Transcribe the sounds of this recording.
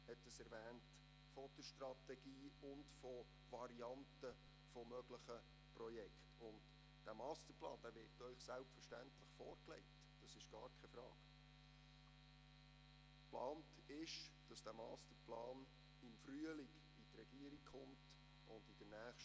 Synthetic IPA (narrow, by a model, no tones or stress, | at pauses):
hɛtdəsɛɾvæːnt | fɔd̥əʃtɾɑtɛɡiːʊndfɔ | ʋɑɾiɑntə | fɔmœɡ̥ləχə | prɔjɛkχtʊnd | d̥æmɑːstəɾplɑ̰ːnd̥æːvɪɾtœʏχsælpfərʃtæ̰ntləχfɔːɾklɛ̰ɪkt | d̥ɑsɪʃɡ̥ɑ̰ːɾkʰɛfɾɑ̰ːɡ̥ | plɑːnt | ɪʃd̥ɑsd̥æːmɑːstəplɑːn | ɪmfɾyəlɪɡ | ɪtrɛɡ̥iəɾikχʊmt | ʔʊndɪd̥ənæːχʃ